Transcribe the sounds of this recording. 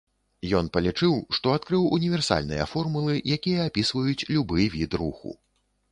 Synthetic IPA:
jɔnpɐlʲit͡ʂɨwʂt̪ɔat̪kɾɨwunʲivʲɛrsa̰lʲnɨ̰jɐ̰fɔrmulˠɨjakʲijɐːpʲisvɐjut͡sʲlʲubɨvʲit̪ruxṵ

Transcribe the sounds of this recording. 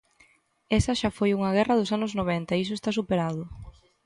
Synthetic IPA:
esɐʃafojuŋɐɣ̞ɛrɐðʊsanʊznoβ̞ent̪ɐeis̬ʊest̪as̬upeɾaðʊ

